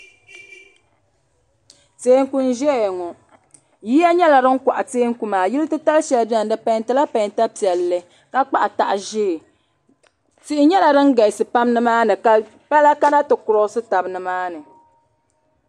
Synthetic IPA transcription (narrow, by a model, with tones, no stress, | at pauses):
teː˨˦ŋ˦ku˦n̩˦ʒɛ˦˨ŋɔ˨ | jiː˦a˦ɲɛ˦la˨ɾɨ˦ŋ̩˦kʷa˨ʔa˨teː˦ŋ˦ku˨maː˨ji˦lɨ˦tɨ˦ta˦lʃɛ˨lbi˦ɛ˨n˨dɨ˨pa˨jntɨ˨˦la˦pa˨jnta˦pi˨ɛ˨lːɨ˨ | ka˦k͡pa˦ʔta̰˨ʔʒeː˦˨ | ti˦ʔɪ˦ɲɛ˦la˨dɨ˦ŋ̩˦ɡa˨ɪ˨sɨ˨pa˦mnɨ˦maː˦nɨ˨ka˦ | pa˦la˦ka˦na˦tɨ˨kʊ˨ɾɔ˦sɨ˦ta˨bɨ˦nɨ˨maː˦nɨ˨